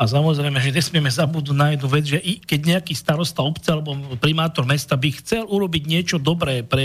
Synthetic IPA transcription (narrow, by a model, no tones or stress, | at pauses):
asamɔzɾɛjmɛʒɛɲɛsmɪɛmɛzabud̪nuɟnajɛd̪nuʋɛd͡zʒɛʔikɛɟɲɛakiːst̪aɾɔst̪aɔpt͡sɛalɛbɔpɾimaːt̪ɔɾmɛst̪abixt͡sɛluɾɔbiɟɲɪɛt͡ʃɔd̪ɔbɾɛːpɾɛ